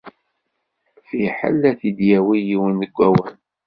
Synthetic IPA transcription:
fiħə̰lːæθid̪jæwijiwənəɡʷːæwən

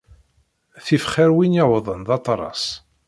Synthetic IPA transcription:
θifχæɾwinjawðˤənðˤɑt̪ˤɾˤɑ̰sˤ

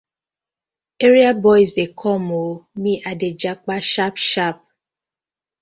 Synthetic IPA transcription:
eɾiabɔjzdekʰɔmomĩʔaded͡ʒak͡paʃapʃap̚

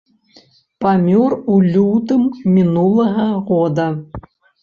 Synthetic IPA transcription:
pamʲɔrulʲut̪ɨmːʲinulˠɐɣɐɣɔd̪ɐ

